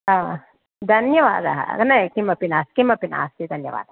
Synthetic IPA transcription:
a | d̪ʱɐnjɐʋa̰ːd̪aɦknɐkimɐpinaːskimɐpina̰ːst̪id̪ʱɐnjɐ̰ʋa̰ːd̪a

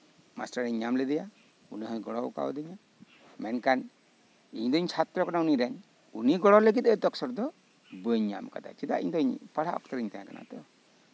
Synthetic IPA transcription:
ma̰sʈaɾiɲːamlɛd̪ɛja | uniɦəjɡɔɽɔwka̰w̰d̪iɲa | mɛnkan | iɲd̪ɔiɲt͡ʃʰat̪ɾɔkanauniɾɛɲ | uniɡɔɽɔləɡit̪̚ɛd̪ɔksɔɾd̪ɔ | bəɲːa̰mka̰d̪a̰t͡ʃid̪a̰ḭɲd̪ɔiɲpaɽaɔ̰kt̪aɾiɲt̪aãkanʔa̰t̪ɔɔ

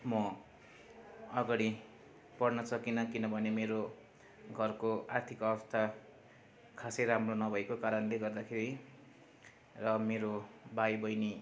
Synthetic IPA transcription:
mʌ | ʌɡaɽi | pʌrnʌt͡sʰʌkinʌkinʌbʱʌnemeɾo | ɡʱʌrkoart̪ʰikʌbʌst̪ʰa | kʰasejɾamronʌbʱʌekokaɾʌnleɡʌrd̪akʰeɾi | rʌmeɾobajbʌjni

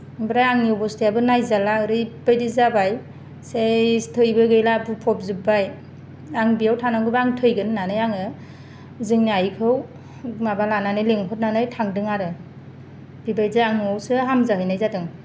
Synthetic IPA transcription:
bɯɾajaŋniɔbɔstʰijabɯnajzalaɯɾɯjbajdizabaj | setʰɯjbɯɡɯjlabɯpʰɔp̚zɯbaj | aŋbijawtʰanaŋɡɯbaŋtʰɯjɡɯnːanɯjaŋɯ | zɯŋniajkʰɯw | mabalananɯjleŋɦɔt̚nanɯjtʰaŋdɯŋaɾɯ | b̥ibajzɯaŋɔwsɯɦamzaɦɯjnajzadɯŋ

